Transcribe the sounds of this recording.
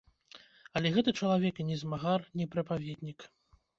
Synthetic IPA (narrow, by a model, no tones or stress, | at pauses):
ɐlʲɛɣɛt̪ɨt͡ʂɐlˠavʲɛkinʲɛzmaɣarnʲɛpɾɨpavʲɛd̪ʲnʲik